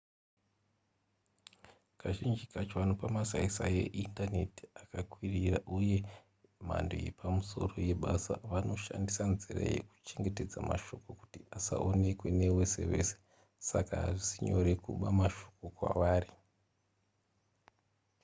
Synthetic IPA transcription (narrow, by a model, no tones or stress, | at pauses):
kaʒind͡ʒikat͡ʃoanopamasaisaje̞̰ʔintane̞ti̥akakwiriraʔuje̞ | ma̰ndo̰jepʰamuso̞̰ro̞je̞ɓasa̰ʋano̞ʃa̰ndisanzira̰je̞̰ku̥t͡ʃe̞ŋɡe̞te̞d͡zamaʃo̞koku̥tiasa̰ʔone̞kwe̞ne̞we̞se̞̰ʋe̞̰se̥ | sakaɦaʐisiɲo̞̰ɾe̞kṵɓamaʃo̥kokwa̰ʋaːri